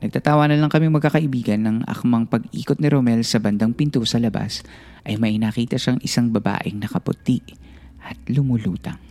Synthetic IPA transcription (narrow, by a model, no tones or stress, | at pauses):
nɐɡ̪̚aːt̪aːwanɐlɐŋkɐmiŋmɐɡ̚kːakɐʔɪbiːɡɐnːɐŋʔɐ̰kmɐŋpɐɡʔḭːkot̪nɪɾomɛlsɐbɐnd̪ɐŋpɪnt̪usɐlɐba̰s | ʔɐjmɐʔɪnaːkiːt̪ɐʃaŋʔɪsaŋbɐba̰ːʔɪŋnɐkɐpʊ̰t̪iʔ | ʔɐt̪̚lʊmʊlṵːt̪ɐŋ